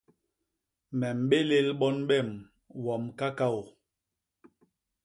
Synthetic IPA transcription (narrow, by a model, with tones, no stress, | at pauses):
mɛ˨m̩˨ɓe˦le˦lɓɔ˦nɓɛ˦˨m | wɔ˨mka˦ka˦˨w